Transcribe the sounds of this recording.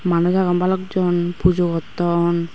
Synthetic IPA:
manɔzaɡɔmbalɔkzɔnpuzɔɡɔt̪ːɔn

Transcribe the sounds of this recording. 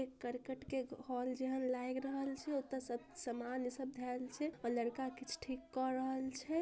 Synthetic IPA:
ekəɾkəʈkeɡʱɔld͡ʒeɦənlajɡɾəɦəlt͡ʃʰɛot̪ːəsəb̚səmansəb̚d̪ʱɛlt͡ʃʰɛɔləɽkakit͡ʃʰʈʰikːɔɾəɦəlt͡ʃʰɛ

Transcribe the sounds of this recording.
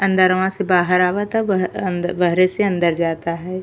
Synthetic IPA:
ɐ̃nd̪əɾəʋãsebaːɦəɾaːʋat̪anbəɦɾeseɐ̃nd̪əɾd͡ʒaːt̪aɦɛː

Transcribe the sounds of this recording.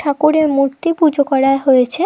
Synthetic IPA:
ʈʰakuɾeɾmuɾt̪ipud͡ʑʱokɔɽaeɦojet͡ɕʰe

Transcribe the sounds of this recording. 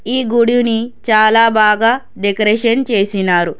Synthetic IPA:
iːɡuɽijunit͡ʃaːlaːbaːɡaː | ɖekɐɾeʂɐnt͡ʃe̞ːsinaːɾu

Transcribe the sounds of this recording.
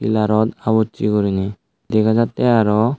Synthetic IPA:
ḭlaɾɔt̪abɔtːikɔɾina | d̪ɛkʰad͡ʒat̪ːɛaɾɔ

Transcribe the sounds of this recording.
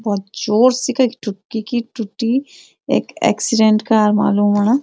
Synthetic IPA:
bɔːt̪̚d͡ʒoːɾsikakʈʊʈ̚kikiʈʊʈːi | ḛːkɛ̰ːksɪɖẽɳʈkaːɾma̰ːluːmana

